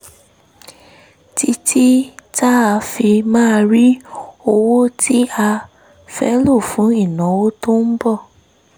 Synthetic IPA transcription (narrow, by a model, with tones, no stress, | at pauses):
ti˦tʰi˦ta˦a˧fi˧mãː˦˧ɾi˦o˧wo˦tʰi˦a˧ | fɛ˦lo˦˨fũ˨˦i˦˨nã˨˦wo˦to˦n̩˦bɔ˦˨